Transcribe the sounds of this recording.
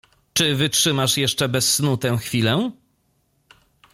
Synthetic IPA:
t͡ʂɘvɘtʂɘmaʂjɛʂt͡ʂɛbɛsːnut̪ɛw̃xfʲilɛ

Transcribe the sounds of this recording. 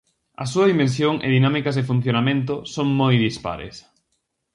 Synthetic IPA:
ɐ̰suɐðimẽns̬joŋḛðinamikɐzðɪfun̟θjonamẽnt̪̬ʊsoŋmojðispa̰ɾḛs

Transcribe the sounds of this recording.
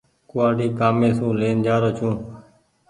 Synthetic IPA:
kʊʋaːɖiːkaːmẽːsũːleːnd͡ʒaːɾoːt͡ʃʰũː

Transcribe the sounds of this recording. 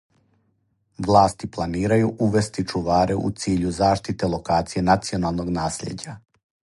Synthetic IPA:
ʋlˠaːst̪iplˠaniːɾajuʔuʋe̞st̪it͡ʃuʋaːɾʔeʔṵt̪siːʎuzaːʃt̪it̪e̞lo̞kaːt̪sije̞nat̪sio̞nalˠno̞ɡnaːsʎḛd͡ʑa

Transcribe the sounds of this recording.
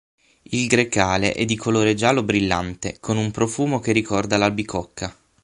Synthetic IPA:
ilɡɾekaːlḛʔɛ̰d̪ːikʰoloːɾed͡ʒaːlobɾilːant̪ekʰonumpɾofuːmok̟erikɔrd̪alabikɔkʰːa

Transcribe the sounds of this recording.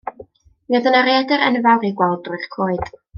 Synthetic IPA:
miaðənaɾɛdɛɾɛnvawɾiɡwɛlˠdrʊɨχkʰoːɨd̥

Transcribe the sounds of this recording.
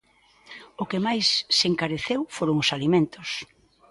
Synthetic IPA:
ʊkemajsːeŋkaɾeθewfoɾʊŋʊsalimẽnt̪ʊs

